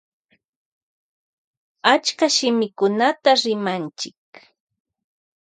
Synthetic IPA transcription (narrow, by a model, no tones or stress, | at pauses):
at͡ʃkaʃɪmɪkʊnat̪aɾɪmant͡ʃɪk